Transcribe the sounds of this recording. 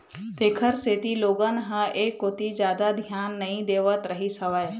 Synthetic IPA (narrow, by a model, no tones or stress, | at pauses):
t̪eːkʰəɾseːt̪iloːɡənɦə̃ʔeːkːoːt̪id͡ʒjaːd̪ad̪ʱjaːnːɐɦĩd̪eːʋət̪ɾəɦisɐʋae